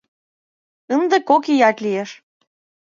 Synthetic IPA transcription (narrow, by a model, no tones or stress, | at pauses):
ənd̪ekokijɑt̪ʲlieʃ